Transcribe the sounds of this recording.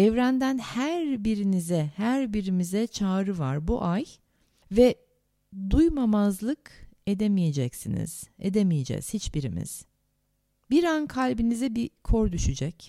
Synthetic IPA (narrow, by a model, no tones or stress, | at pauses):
ɛvɾænd̪ænhæɾbiɾinizɛhæɾbiɾimizɛt͡ʃʰaːɾɯvaɾbuʔaj | vɛ | d̪ujmamazlˠɯke̞d̪emije̞d͡ʒɛcsinḭz̥ḛd̪emijed͡ʒɛ̰z̥hit͡ʃbiɾimḭz̥ | biɾankʰalʲbinizɛbikʰo̞ɾd̪yʃyd͡ʒɛc